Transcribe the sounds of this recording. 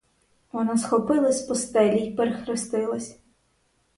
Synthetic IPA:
ʋɔnɑsxɔpɪlˠɐsʲpɔst̪ɛlʲipeɾexɾɪst̪ɪlˠɐsʲ

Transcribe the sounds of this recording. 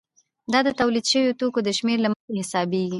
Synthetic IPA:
d̪ɑd̪ət̪awlid̪ʃəwjot̪okod̪əʃmeɾlaməxehɪsɑbeɡi

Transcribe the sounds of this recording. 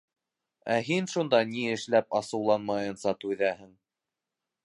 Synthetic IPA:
æɦinʃund̪ɑniɘ̆ʃlæpɑsɤ̆wlˠɑnmɑjɤ̆nsɑt̪ʉðæhɘŋ

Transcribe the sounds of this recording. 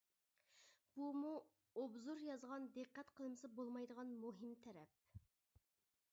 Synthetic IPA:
b̥umu | obzuɾjɑzʁɑnd̪eqːɛt̪qʰəlˠmɨsɨbolˠmɑjd̪əʁɑnmuɦɪmt̪ʰɛɾɛ̰p̚

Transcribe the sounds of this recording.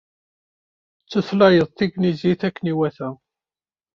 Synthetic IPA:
t͡sːəθlɑjəðˤθiɡniziθækːəniwæθæ

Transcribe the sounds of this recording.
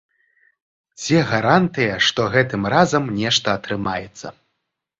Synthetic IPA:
d͡zʲɛɣɐɾant̪ɨjɐʂt̪ɔɣɛt̪ɨmrazɐmnʲɛʂt̪ɐːt̪ɾɨmajɛt̪sːɐ

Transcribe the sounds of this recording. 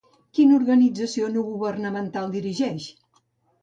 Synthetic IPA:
kinuɾɣənid͡zəsionuɣuβərnəmənt̪alˠd̪iɾiʒɛʃ

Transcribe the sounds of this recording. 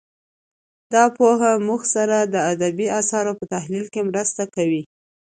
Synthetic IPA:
d̪ɑpoɦamuxsaɾad̪əad̪abiasɑɾopət̪aɦlilkemɾəst̪akawi

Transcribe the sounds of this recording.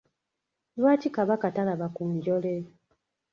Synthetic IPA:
lwaːtikaβakatalaβakuːɲɟole

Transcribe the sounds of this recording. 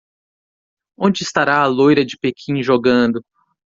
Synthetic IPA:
õnd͡ʒɪɪst̪aɾaɐlojɾɐd͡ʒɪpekʰĩʒoɡɐ̃d̪ʊ

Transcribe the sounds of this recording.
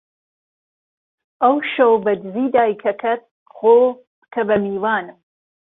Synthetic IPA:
ʔɐwʃɐwbɐd͡ʒziːd̪aːjkʰɐkʰɐt̪̚ | ɣoː | kʰɐbɐmiːwaːnɨm

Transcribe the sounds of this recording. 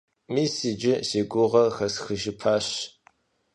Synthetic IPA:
miːsid͡ʒɪseːɡʷʊʁɐxɐsxɨʒɪpʰaːɕ

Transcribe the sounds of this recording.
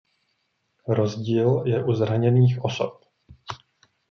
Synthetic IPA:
ɾo̞zɟiːljɛʔuzɾaɲɛniːxʔo̞so̞̰p̚

